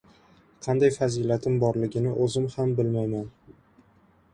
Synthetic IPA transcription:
qʰɑnd̪ajfazilat̪ʰɪmbɒɾlɪɡʲɪnɪʔɵzɪmhambɪlmajman

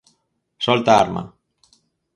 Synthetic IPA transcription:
sɔlt̪aa̰ɾma̰

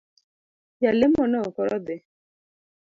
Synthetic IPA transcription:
jalemɔnɔkɔɾɔd̪e

